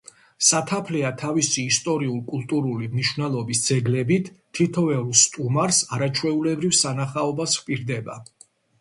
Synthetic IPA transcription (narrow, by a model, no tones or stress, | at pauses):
sat̪ʰapʰlɛat̪ʰavisiːst̪ʼɔɾiulˠkʼulˠt̪ʼuɾulimniʃwnɛlˠɔbisd̪z̥ɛɡlɛbit̪ʰːit̪ʰɔvɛulˠst̪ʼumaɾsaɾat͡ʃʰwɛulɛbɾivsanaχaɔbasvpʼiɾd̪ɛba̰